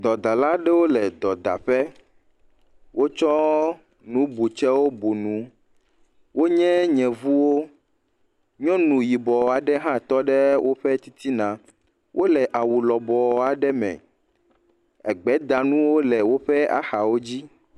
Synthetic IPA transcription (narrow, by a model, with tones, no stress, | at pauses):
d̪ɔ˨d̪a˨la˦ɖɛ˦wo˦lɛ˨d̪ɔ˨d̪a̰˨ɸɛ˦ | wo˦t͡ʃɔ˦ | nũ˨˦bu˨t͡ʃɛ˦wo˦bu˨nũ˨ | wo˦ɲɛ̃˦ɲɛ̃˨vu˦wo˦ | ɲɔ̃˦nũ˨ji˨bɔ˨a˨ɖɛ˦ɦã˦t̪ɔ˦ɖɛ˦wʔo˦ɸɛ˦t̪i˦t̪ʰi˦nã˨ | wʔo˦lɛ˨ʔa˨wu˨lɔ˨bɔ˨a˨ɖɛ˦mɛ̰̃˨ | ɛ̰˨ɡ͡bɛ˨˦d̪a˨nũ˦wo˦lɛ˨wo˦ɸɛ˦a̰˨xa˨wo˦d͡ʑi˦